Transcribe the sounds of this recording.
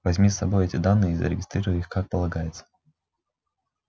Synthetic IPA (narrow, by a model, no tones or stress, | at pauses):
vɐzʲmʲisːɐbo̞jɛtʲɪd̪anːɨjəɪizə̰ɾʲɪɡʲɪst̪ɾʲiɾəjixkak̚pəlˠɐɡajɪt̪sə̥